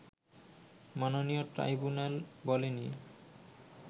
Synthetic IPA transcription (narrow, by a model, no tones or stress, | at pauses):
manonijoʈɾa̰jbunalbɔleni